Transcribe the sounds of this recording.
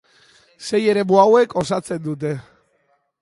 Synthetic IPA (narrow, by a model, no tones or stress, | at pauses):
se̞je̞ɾe̞muawe̞ko̞sat͡se̞nd̪ut̪̬e̞